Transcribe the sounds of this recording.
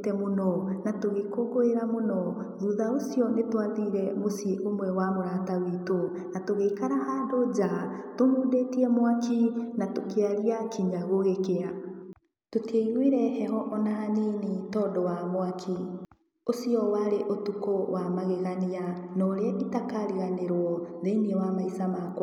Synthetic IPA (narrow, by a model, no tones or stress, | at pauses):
tɛmonɔnatoɣekoɡoeɾamonɔ | ðuðaosiɔnetwaðiːɾɛmosiʔomwɛwamoɾaːtawito | natoɣeikaɾaʔandod͡ʒatomuːdetiɛmwakinatokeaɣiakiɲaɣoɣekea | toteiɾweɾɛhɛɦɔʔɔnaaninitɔːndɔwamoakʰi | osiɔwaɾeʔotukowamaɣeɣaneanɔɾeɛʔitakaɾiɣaneɾwɔðeiniewamaisamakwa